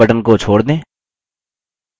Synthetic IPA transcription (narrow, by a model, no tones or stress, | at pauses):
əʈənkot͡ʃʰoːɽd̪ẽː